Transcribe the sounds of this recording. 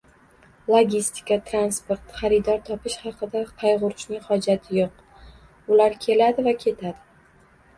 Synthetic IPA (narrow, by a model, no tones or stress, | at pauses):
lˠoɡʲist̪ɪ̥kʲat̪ʰɾanspoɾt̪χɑɾɪd̪ɒɾt̪ʰɒpɪʃhɑqʰɨd̪aq̪ʰɑjʁʊɾɪʃnɪŋχɒd͡ʒat̪ʰɪjoq̚ | ʊlaɾkʲʰe̞lad̪ɪvakʲʰe̞t̪ʰad̪ɪ